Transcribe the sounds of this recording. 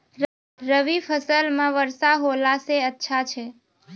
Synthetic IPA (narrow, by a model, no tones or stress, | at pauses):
ɾəʋifʰəsəlmãʋəɾsaɦolaseətːʃʰat͡ʃʰe